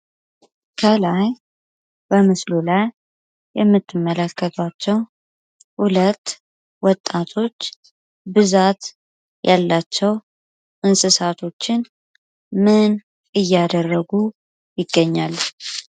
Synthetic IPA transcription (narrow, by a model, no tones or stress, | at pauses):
kʰəlaj | bəmɨslulajː | ɛmːɨt̪ːɨmːələkːət̪ʰwat͡ʃːɛw | hulət̪ː | wɔt̪ʼːat̪ʰo̞t͡ʃː | bɨzat̪ | jʔalːat͡ʃːɛw | ʔɨnsʼɨsat̪ʰo̞t͡ʃːɪn | mɨn | ɨjːad̪ərːəɡu | jɪɡːəɲːalː